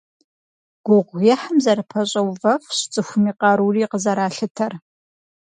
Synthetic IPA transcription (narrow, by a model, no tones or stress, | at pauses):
ɡ̥ʷʊʁʷjɛħəmzɐɾɨpʰɐɕʼɐwvɐfɕt͡sʼɨxʷʊmiːqɑɾuːriːqəzɐɾaːɬɨtʰɐr